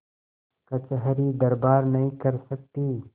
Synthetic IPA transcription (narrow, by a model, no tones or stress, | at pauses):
kɐt͡ʃəɦɾid̪ɐɾbaːɾnɐɦĩkɐɾsɐk̚t̪iː